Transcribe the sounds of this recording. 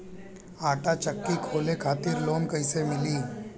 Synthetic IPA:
aːʈat͡ʃəkːikʰoːlekʰaːt̪iːɾloːnkəjsemɪliː

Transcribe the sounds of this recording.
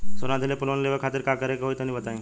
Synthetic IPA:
soɾãd̪ʱelepʊlʋənleʋekʰaːt̪ɪɾkakəɾekaɦoit̪onĩbət̪aːẽ

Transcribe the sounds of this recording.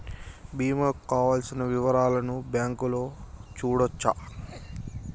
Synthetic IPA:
biːmɐkːaːʋaːlsinɐʋiʋɐɾaːlɐnubjaːŋkuloːt͡ʃuːɽot͡ʃːa

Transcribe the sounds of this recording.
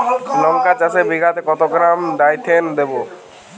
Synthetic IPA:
nɔŋkat͡ʃasebiɡʱat̪ekɔt̪oɡɾamɖajt̪ʰend̪ebo

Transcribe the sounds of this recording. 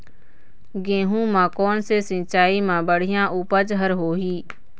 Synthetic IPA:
ɡẽːɦũmãːkɔːnsesɪ̃ːt͡ʃaːimãːbəɽ̤ɪjãːʔuːpəd͡ʒɦəɾɦoːɦiː

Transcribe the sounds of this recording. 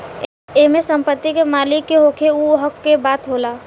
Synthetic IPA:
emesəmpət̪ːikemaːlikːeɦokʰeuɦəkːebaːt̪ɦolaː

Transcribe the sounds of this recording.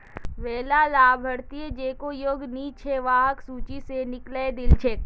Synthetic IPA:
ʋeːlalaːbʱəɽt̪ied͡ʒeːkojoːɡniːt͡ʃʰeʋaːɦəksuːt͡ʃisenɪkled̪ɪlt͡ʃʰek

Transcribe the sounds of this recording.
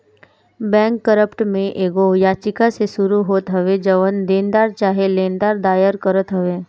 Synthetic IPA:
bɛ̃ːŋkːəɾəpʈmẽʔeːɡojat͡ʃɪkasesʊɾuɦoːt̪ɦɐʋed͡ʒəʋənd̪eːnd̪aːɾt͡ʃaːɦelẽːnd̪aːɾd̪aːjəɾkəɾət̪ɦəʋeː

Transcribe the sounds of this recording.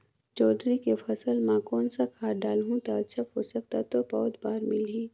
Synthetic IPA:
d͡ʒɔːd̪ɾikepʰɐsəlmãkɔːnsakʰaːɖaːlɦũt̪aʃʰəfɦosək̚t̪at̪obɔːt̪baːɾmɪlɦĩː

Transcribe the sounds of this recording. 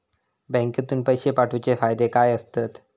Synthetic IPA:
bɛ̃ŋket̪uːnpəjɕepaʈʰut͡ɕefajd̪ekajəst̪at̪

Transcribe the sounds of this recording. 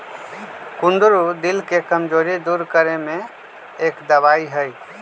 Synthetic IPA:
kund̪ɾud̪ilkekəmd͡ʒoɾid̪uɾkəɾeme | ekd̪əbaiɦəj

